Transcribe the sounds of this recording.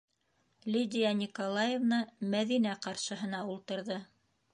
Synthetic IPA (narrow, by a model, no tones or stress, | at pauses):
lʲid̪ʲijɑnʲikolˠajevnɑmæðinæqɑɾʃɤ̆ɦɤ̆nɑulˠt̪ɤ̆ɾðɤ